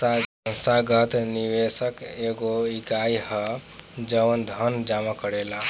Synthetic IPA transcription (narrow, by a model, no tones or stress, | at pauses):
a | ə̃saɡət̪niʋesəkeɡoikajɦəd͡ʒəʋənd̪ʱənd͡ʒamakəɾela